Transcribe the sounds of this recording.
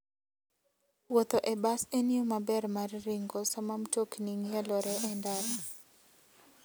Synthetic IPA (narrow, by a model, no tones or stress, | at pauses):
wot̪oʔɛbaseniomabɛrmarːiŋɡɔsamamtokniŋɛlɔɾɛʔɛndaɾa